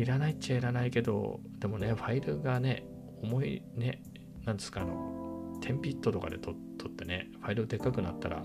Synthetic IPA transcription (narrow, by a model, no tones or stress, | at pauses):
iɾanait͡ɕaiɾanaike̞d̪o̞̰ | d̪̥e̞mo̞ne̞ɸaiɾɯ̟ɡane̞ | o̞mo̞ḭne̞ | nãnd̪e̞sɨ̥kaːno̞̰t̪ʰẽ̞mpʲit̪ːo̞t̪o̞ka̰d̪e̞̰t̪ot̪ʰːo̞t̪ːe̞ne̞ɸaiɾɯd̪ekakɯ̟nat̪ːaɾa̰